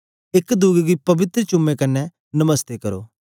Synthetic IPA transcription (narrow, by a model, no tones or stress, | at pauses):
ɪkd̪ʊːɡɡipɐbɪt̪ɾət͡ʃʊmːekɐnɛ | nɐməst̪ekɐɾo̰ː